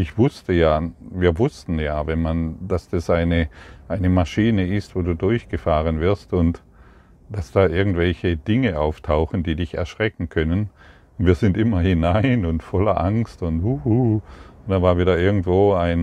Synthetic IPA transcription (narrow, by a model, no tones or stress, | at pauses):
ʔɪçv̥ʊstəjaːviːɐvʊstn̩jaːvɛnmand̥asd̥asʔaɪnəʔaɪnəmaʃiːnəɪstv̥oːduːdʊɐçɡ̥əfaːʁənvɪɐstʊnt | d̥asd̥aːʔɪɐɡŋ̩tv̥ɛlçəd̥ɪŋəʔaʊftʰaʊxn̩diːdɪçɛ̰ɐʃʁ̥ɛkŋ̩kʰœnən | viːɐzɪntʔɪmɐhɪnaɪnʊntfɔlɐʔaŋstʊnthuhud̥aːvaːɐviːdɐɪɐɡŋ̩tv̥oːaɪn